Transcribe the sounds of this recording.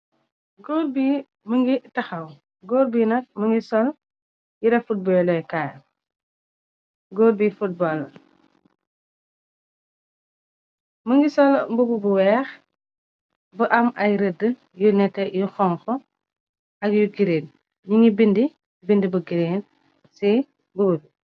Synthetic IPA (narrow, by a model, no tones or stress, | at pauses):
ɡɔːrbiː | məŋɡitɐxɐw | ɡɔːɾbinɐk̚məŋɡisɔl | jiɾɛfut̚bɔjlɔjkaːj | ɡɔːɾbifut̚bɔl | məŋɡisɔlmbububuwɛːx | bəʔɐmɐjɾədə | junɛtːɛjuxɔŋxɔ | ɐkjuɡiɾeːn | ɲiŋibindi | bindibəɡiɾeːn | si | bububi